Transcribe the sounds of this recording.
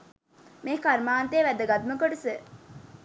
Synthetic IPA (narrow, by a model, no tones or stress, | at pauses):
meːkɐɾmaːnt̪eːʋæd̪ɐɡɐd̪məkoʈuse